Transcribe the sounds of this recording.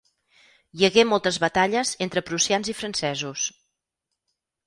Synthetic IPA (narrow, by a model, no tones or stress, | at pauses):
jəɣemɔlˠt̪əzβət̪aʎəzent̪ɾəpɾusianzifɾənsɛzus